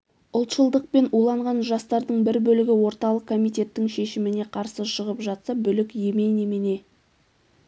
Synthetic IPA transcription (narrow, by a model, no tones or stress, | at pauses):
ʊlˠt̪ʃəlˠd̪əq̚pe̞nulˠɑɴʁɑnʒɑst̪ɑɾd̪əɴbɪɾbɵlɪɡʲɪwo̞ɾt̪ɑlˠəq̚kʰo̞mijt̪ʲe̞t̪ːɪŋʃe̞ʃɪmɪne̞qʰɑɾsəʃəʁəpʒɑt̪səbʏlɪkje̞me̞jnemene̞